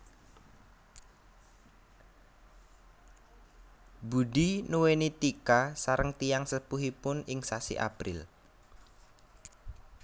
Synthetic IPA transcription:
budinuwenit̪ikasaɾəŋt̪ijaŋsəpuɦipʊnɪŋsasḭʔa̰pɾɪl

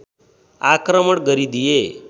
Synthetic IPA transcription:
akɾəməɽɡəɾid̪ije

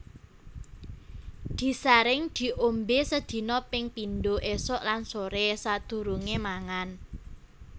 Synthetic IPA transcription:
d̪̥i̤saɾɪŋd̪̥i̤ʔombesəd̪̥i̤nɔpɪŋpinɖoʔesɔʔlansoɾɛsad̪̥ṳɾuŋemaŋan

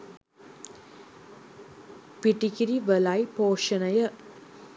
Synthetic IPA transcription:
piʈikiɾiʋəlɐjpoːʂɐnɐjə

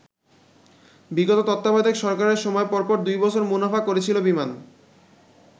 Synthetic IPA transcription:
biɡot̪ot̪ɔt̪ːabad̪ʱekʃɔɾkaɾeɾʃɔmɔepɔɾpɔɾd̪ujbɔt͡ɕʰoɾmunafakoɾet͡ɕʰilobiman

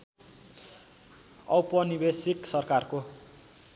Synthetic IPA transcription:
ʌ̰wpʌnibesiksʌrkarko

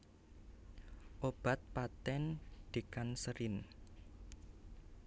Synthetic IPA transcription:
ʔob̥a̤t̪̚pat̪ɛnɖ̪̥e̤kansəɾɪn

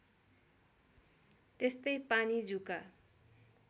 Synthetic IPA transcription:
t̪est̪ʌjpanid͡zuka

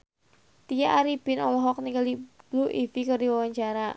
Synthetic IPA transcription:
t̪ijaʔaɾib̥ɪnɔlɔɦɔk̚nikalib̥luʔifikərdiwawaɲt͡ʃaɾa

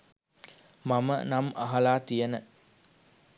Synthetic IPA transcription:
mamə̰namʔaɦalaːt̪ijənə

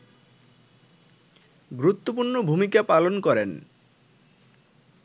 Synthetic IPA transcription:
ɡɾut̪ːop̬uɾnobʱumikapalonkɔɾen

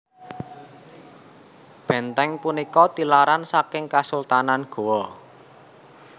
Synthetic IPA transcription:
b̥ɛ̤nt̪ɛŋpunikɔt̪ilaɾansakɪŋkasult̪ananɡ̥o̤wɔ

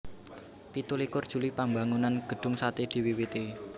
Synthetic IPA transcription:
pit̪ulikʊrd̥ʒ̥ṳlipambaŋunanɡ̥ə̤ɖ̪̥ʊ̤ŋsat̪ed̪̥i̤wiwit̪i

